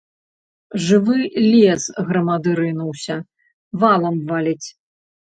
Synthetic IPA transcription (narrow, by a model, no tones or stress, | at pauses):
ʐɨvɨlʲɛsɣɾɐmad̪ɨɾɨnuwsʲɐ | valˠɐmvalʲit͡sʲ